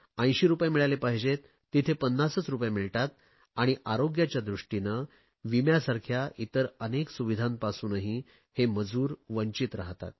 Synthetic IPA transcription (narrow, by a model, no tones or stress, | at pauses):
ə̃j̃ɕiɾupjamiɭalepaɦd͡ʑet̪ːit̪ʰepənːasət͡sɾupjamiɭʈat̪ | aɽ̃iʔaɾoɡjat͡ɕjad̪ɾuʂʈinə | ʋimjasaɾkʰjaʔit̪əɾəneksuʋid̪ʱãnpasuːnaɦi | heməd͡zuːɾʋəɲt͡ɕit̪ɾaɦt̪a̰t̪̚